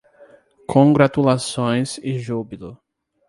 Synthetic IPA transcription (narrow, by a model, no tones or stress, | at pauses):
kʰõŋɡɾat̪ulasõj̃sɪʒubilʊ